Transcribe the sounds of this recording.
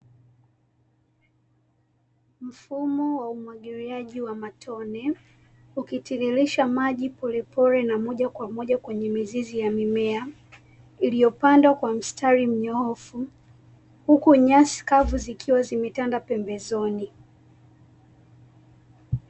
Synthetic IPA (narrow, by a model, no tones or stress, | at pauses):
m̩fumɔwaumwaɠiɾiaʄiwamatʰɔnɛ | ukitililiʃamaʄipɔlɛpɔɾɛnamɔʄakwamɔʄakwɛɲɛmizizijamimɛa | ilijɔpandwakwam̩stʰaɾim̩ɲɔɔfu | hukuɲasi̥kavuzikʰiwazimɛtandapɛmbɛzɔni